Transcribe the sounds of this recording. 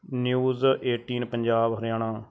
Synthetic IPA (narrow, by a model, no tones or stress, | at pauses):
njuːzeːʈiːnpəɲd͡ʒaːbɦəɾjaːɳ̃ãː